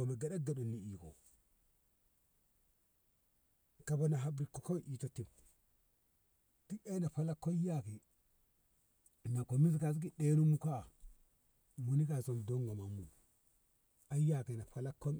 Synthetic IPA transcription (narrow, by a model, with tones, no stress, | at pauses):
o˨me˨ɡa˨ɗa˦ɡa˨ɗu˨nːi˨i˨ko̰˨ | ka˨bo˨na˨ɦa˨˦bɾi˨ko˨ko˦ʔi˨to˨ti˨m | ti˦e˦na˨pa˦la˦kːo˦ja˦ki˨ | na˨ko˨mi˦s̬ka˨s̬ki˦ɗe˦nu˦mu˦ka˦˨ | mu˨ni˦ka˨so˨m˨do˦ŋɡa˨ma˨mu˨ | a˦ja˦ke˨na˨ɸa˨la˦kːo˦m